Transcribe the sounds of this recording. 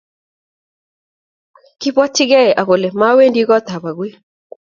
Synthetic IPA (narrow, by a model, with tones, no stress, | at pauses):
kɪ˦bɔ˦tɪ˦ɡɛ˦ɛ˨ʔa˨ɣo˨le˨ma˦we˦ndi˦ɡɔ˦t̪a˨βa˨ɡwe˦